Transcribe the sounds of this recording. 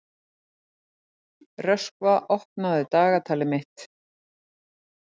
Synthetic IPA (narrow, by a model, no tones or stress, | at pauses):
rœskvaʔɔhpnaðɪt̪aːɣat̪ʰaːlɪmɪht̪